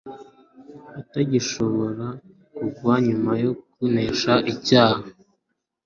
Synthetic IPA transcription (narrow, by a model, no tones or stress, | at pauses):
utaɟiʃo̞βo̞ɾa | kuɡwaɲumajo̞kuneːʃaʔicaːha